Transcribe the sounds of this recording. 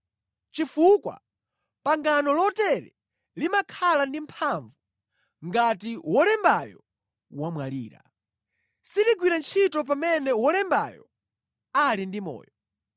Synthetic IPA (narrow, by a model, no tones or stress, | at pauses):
t͡ʃifukwa̰ | paŋɡanɔlɔtɛɾɛ̰ | limakʰalandim̩pʰaɱvu | ŋɡatiwɔlɛmbajɔ | wamwalḭːɾa̰ | siɾiɡwiɾant͡ʃʰitɔp̬amɛnɛwɔlɛmba̰jɔ̰ | alindimɔ̰ːjɔ